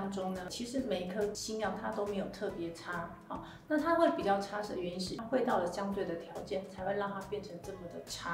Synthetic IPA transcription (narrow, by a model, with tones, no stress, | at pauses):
ŋʈ͡ʂʊ˥ŋnə˧t͡ɕʰi˧˥ʂɻ̩˧˥me˨˩ɪ˧˥kʰɤ˥t͡ɕi˥mjɑ˥˩ŋt̪ʰa˥t̪o˥ʊme˧˥ɪjo˨˩ʊt̪ʰɤ˥˩pjɛ˧˥ʈ͡ʂʰa˥ | ɑ˨˩ | na˥˩t̪ʰa˥xwe˥˩ɪpi˨˩t͡ɕjɑ˥˩ʊʈ͡ʂʰa˥ʂ̩˨˩ɥɛ˧˥nʂɻ̩˥˨˩xwe˥˧ɪt̪ɑ˥˩ʊlə˩ɕjɑ˥ŋt̪we˥˩ɪd̪ə˩t̪ʰjɑ˨˧˥ʊt͡ɕjɛ˥˩nt͡sʰa˧˥ɪxwe˥˧lɑ˥˩ŋt̪ʰa˥pjɛ˥˩nʈ͡ʂʰɤ˧˥ŋʈ͡ʂɤ˥˩mə˩d̪ə˩ʈ͡ʂʰa˥